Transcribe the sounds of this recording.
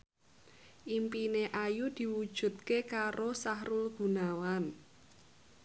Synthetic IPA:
ʔimpineʔajud̪̥i̤wud̥ʒ̥ṳt̪̚kekaɾosahɾʊlɡ̥ṳnawan

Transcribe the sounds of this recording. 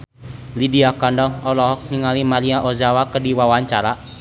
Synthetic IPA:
lidiakandɔŋɔlɔɦɔk̚niŋalimaliaʔɔzawakədiwawaɲt͡ʃaɾa

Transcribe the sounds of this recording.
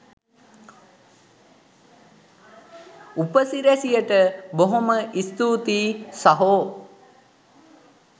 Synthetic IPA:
upəsiɾesijəʈəboɦoməʔist̪uːt̪iːsaɦoː

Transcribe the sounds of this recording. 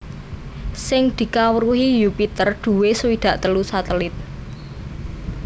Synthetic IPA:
sɪŋd̪̥i̤kawəɾuhijupit̪ərd̪̥ṳwesəwid̪̥ä̤ʔt̪əlusat̪əlɪt̪̚

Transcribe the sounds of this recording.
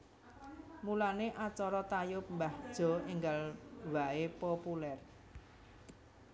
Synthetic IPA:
mulaneʔat͡ʃɔɾɔt̪ajʊp̚mbahd̥ʒ̥ɔ̤iŋɡalwaepɔpulɛr

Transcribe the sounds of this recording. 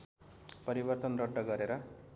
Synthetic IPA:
pʌɾibʌrt̪ʌnrʌɖːʌɡʌɾeɾʌ

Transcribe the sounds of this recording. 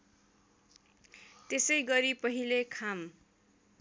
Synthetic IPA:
t̪esʌjɡʌɾipʌɦilekʰam

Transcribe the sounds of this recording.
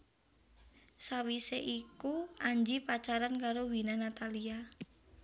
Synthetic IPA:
sawiseʔikuaɲd͡ʒipat͡ʃaɾankaɾowinanat̪alia

